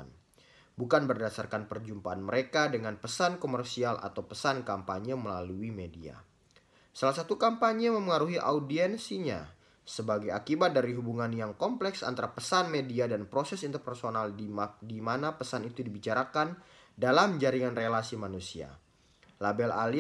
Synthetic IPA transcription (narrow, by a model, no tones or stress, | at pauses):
n | bukanbərdasarkanpərd͡ʒumpaːnməɾekadəŋanpəsankomərsialʔa̰t̪awpəsankampaɲəməlaluimedia̰ | salasat̪ukampaɲəməməŋaɾuɦiʔa̰udiɛnsiɲa̰ | səbaɡajakibat̪̚daɾiɦubuŋanjaŋkɔmplɛksa̰nt̪aɾapəsanmediadanpɾosɛsint̪ərpərsonaldimanapəsanit̪udibit͡ʃaɾakan | dalamd͡ʒaɾiŋanrelasimanusia̰ | labɛla̰l